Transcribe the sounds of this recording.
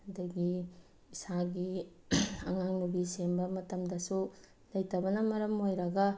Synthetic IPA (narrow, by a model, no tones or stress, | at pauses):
hɐdɐɡi | isaɡi | ɐŋaŋnubisembɐmɐtɐmdɐsu | lɐjtɐbɐnɐmɐɾɐmojɾɐɡɐ